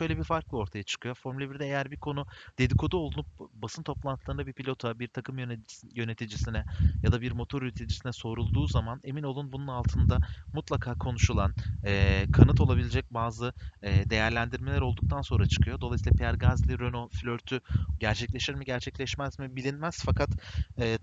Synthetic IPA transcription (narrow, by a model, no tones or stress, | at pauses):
ʃø̞jlʲɛbiɾfaɾklˠɯo̞ɾt̪ʰajat͡ʃʰɯ̥kʰɯjo̞fo̞ɾmalʲibiɾd̪ɛejæɾbiɾkʰo̞nud̪̥e̞d̪ikʰo̞d̪uolˠunup̚basɯnt̪ʰo̞plˠant̪ʰlˠaɯnd̪abipʰilʲo̞t̪ʰabiɾt̪ʰakʰɯmjøjø̞ne̞t̪ʰid͡ʒisinɛjad̪abiɾmo̞t̪ʰo̞ɾjyt̪ʰed͡ʒisinɛso̞ɾulˠd̪uːzamane̞mino̞lˠunbununalˠt̪ʰɯnd̪amut̪lˠakʰaːkʰo̞nuʃulˠanɛːkʰanɯt̪ʰo̞lˠabilʲed͡ʒɛc̚baːzɯɛːd̪e̞jæɾlʲænd̪iɾme̞lʲæɾo̞lˠd̪uk̚t̪ʰanso̞nɾat͡ʃʰɯ̥kʰɯjo̞d̪o̞lˠajsilʲˠapʰeæɾɡazlʲiɾøno̞flʲøɾt̪ʰyɟæɾt͡ʃʰɛclʲe̞ʃiɾmiɟæɾt͡ʃʰɛclʲɛʃmæzmibilʲinmæz̥fakʰat̪ɛː